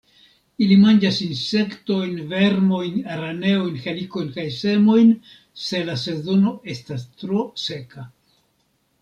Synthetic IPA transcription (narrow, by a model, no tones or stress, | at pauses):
ilimand͡ʒasinse̞kto̞jnve̞ɾmo̞jnaɾane̞ojnxeliko̞jnkajse̞mo̞jn | se̞lase̞zo̞no̞e̞stastɾo̞se̞ka